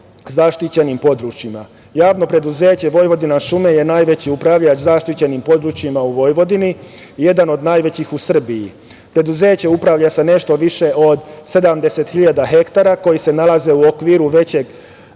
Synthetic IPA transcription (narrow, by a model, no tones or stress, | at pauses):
zaʃt̪it͡ɕe̞nimpo̞d̪ɾut͡ʃima | jaːʋno̞pɾe̞d̪uze̞ːt͡ɕe̞ʋo̞jʋo̞d̪inaʃume̞je̞naːjʋet͡ɕiupɾaʋʎat͡ʃzaʃt̪it͡ɕe̞nimpo̞d̪ɾut͡ʃjimauʋo̞jʋo̞d̪iniije̞d̪ano̞d̪naːjʋe̞t͡ɕixusr̩biji | pɾe̞d̪uze̞ːt͡ɕe̞upɾaʋʎase̞ne̞ʃt̪o̞ʋiʃe̞ʔo̞d̪se̞d̪amd̪e̞se̞t̪xiʎad̪aɦe̞kt̪aɾako̞jise̞nalˠaze̞uokʋiɾuʋe̞t͡ɕe̞ɡ